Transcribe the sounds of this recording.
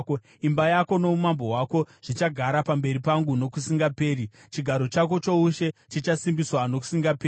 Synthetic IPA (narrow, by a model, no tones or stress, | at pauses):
imbajako̞no̞umambo̞ɦwako̞ʐ̥it͡ʃaɡʱaɾapambe̞ɾipaŋɡuno̞kusiŋɡape̞ːɾi | t͡ʃiɡʱaɾo̞t͡ʃako̞t͡ʃo̞uʃe̞t͡ʃit͡ʃasimbiswano̞ku̥siŋɡapeː